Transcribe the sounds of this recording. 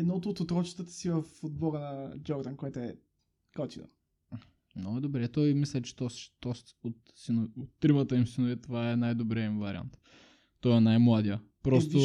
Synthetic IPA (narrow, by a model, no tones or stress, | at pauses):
ɛd̪nɔt̪ot̪ot̪ɾɔt͡ʃi̥t̪ət̪ə̥sivɐfod̪̚bɔɡənɐd͡ʒɔɾd̪ankoɛt̪oɛ | kɔt̪inˠo̰ | nod̪obɾɛt̪ɔjmislʲɛt͡ʃɛ̥t̪ɔsʃt̪ɔs | ot̪sinʊot̪ːɾimət̪əimsinʊvit̪ovaɛnajd̪obɾɛimvɐɾʲḭa̰nt̪ː | ɔjɛnajmlˠad̪ijə | pɾɔst̪ʊ